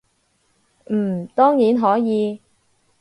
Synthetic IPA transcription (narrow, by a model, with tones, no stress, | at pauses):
m̩ː˨˩t̪ɔː˥ŋjiː˨˥nɦɔː˨˥jiː˨˧